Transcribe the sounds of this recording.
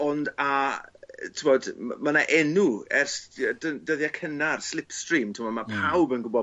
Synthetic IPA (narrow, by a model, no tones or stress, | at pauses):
ɔnda | tʰɪmɔdmanaʔɛnuɛrsdədəðjakʰənarslˠɪpstrimtʰɪmɔdmapʰawbənɡʊbɔ